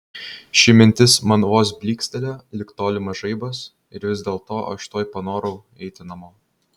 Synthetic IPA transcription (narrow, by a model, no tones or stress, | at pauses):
ʃʲɪmʲɪnʲt̪ʲɪsmɐnʋoːs̬bʲlʲiːksʲt̪ʲɛlʲoːlʲɪkt̪oːlʲɪmɐʒɐɪbɐs | ɪɾʋʲɪzʲd̪ʲeːlˠt̪oːʔɐ̰ʃt̪oːjpɐnoːɾɐʊ | ɛɪt̪ʲɪnɐmoː